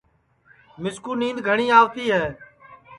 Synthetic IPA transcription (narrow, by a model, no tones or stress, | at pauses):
mɪskuːnĩːnd̪ɡʱəɳiːaːʋt̪iːɦɛː